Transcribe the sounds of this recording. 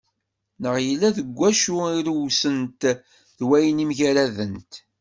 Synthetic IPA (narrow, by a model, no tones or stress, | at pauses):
nəʁjəlːæðəɡʷːæʃuiɾwsənt̪ | ðwæjənimʝæɾæðənt̪